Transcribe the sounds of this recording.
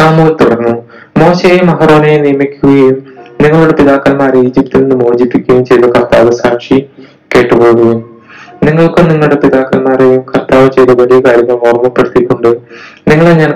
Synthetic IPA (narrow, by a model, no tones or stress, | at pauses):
saːmuːlt̪uɽɐrnːu | mo̞ːɕejumɐɦɐro̞ːnejenijɐmikʲːuɣɐjumniŋːɐɭuɽe̞piðaːkːɐlmaːreiːd͡ʑipt̪inenːɨmoːd͡ʑipːikʲːɐjumt͡ɕe̞jd̪ɐkɐrt̪aːʋɐsaːmʂi | ke̞ːʈːɨpo̞ːɣɐjum | niŋːɐɭkɨniŋːɐɭuɽe̞piðaːkːɐlmaːrejumkʰɐrt̪aːʋɨt͡ɕejðɐʋɐɭijɐkaːɾjɐŋːɐɭmoːrmɐpːeɽut̪ːikʲːuɳɖɨ | niŋːɐɭeɲɐːn